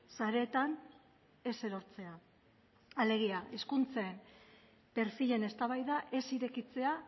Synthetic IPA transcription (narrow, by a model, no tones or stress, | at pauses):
saɾe̞ːt̪an | e̞se̞ɾo̞ɾt͡se̞a | ale̞ɣ̞iaiskunt͡saem | pe̞ɾfiʎe̞ne̞st̪aβajðaʔe̞siɾe̞kit͡se̞a